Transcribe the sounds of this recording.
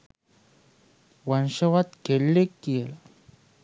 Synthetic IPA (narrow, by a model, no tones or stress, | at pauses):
wanɕəwat̪̚ɡ̥elːekːiela